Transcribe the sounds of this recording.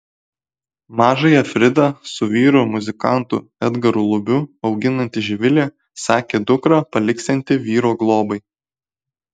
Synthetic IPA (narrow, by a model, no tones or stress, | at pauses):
mɑːʒɐjɛfʲɾʲɪd̪ɑsʊʋʲiːɾoːmʊzʲɪkɑˑnt̪ʊ̰ɛd̪ɡɐɾʊlˠʊbʲʊɒʊɡʲɪnɐnʲt̪ʲɪʒʲɪʋʲɪlʲeː | sɑːkʲeːd̪ʊkɾɑpɐlʲɪksʲɛnʲt̪ʲɪʋʲiːɾoːɡlˠoːbɐɪ